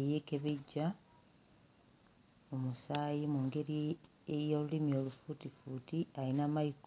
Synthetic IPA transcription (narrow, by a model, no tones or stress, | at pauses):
jekeβeɟːa | mumusaːjimuŋɡe̞ɾi | ejolulimio̞lufutifuːtialinamaik